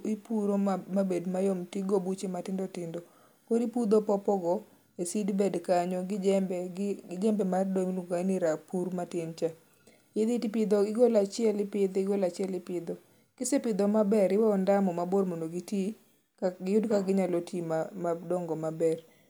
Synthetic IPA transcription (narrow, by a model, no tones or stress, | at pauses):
ipuɾomabedmajɔmtiɡobut͡ʃematɪndotɪndɔ | koɾipud̪opɔpɔɡɔ | esidbɛdkaɲɔɡɛbɛɪɡɛmbɛmardoŋnuɡaniɾapuɾmatɪnt͡ʃa | ɪd̪itpɪd̪oɪɡolat͡ʃɪɛlɪpɪd̪ɪɡolat͡ʃɪɛlɪpɪd̪ɔ | kɪsepɪd̪omabɛɾɪwɔndamɔmaboɾmondoɡiti | ɪjʊdkaɡɪɲalotʰimamadɔŋɡɔmabɛr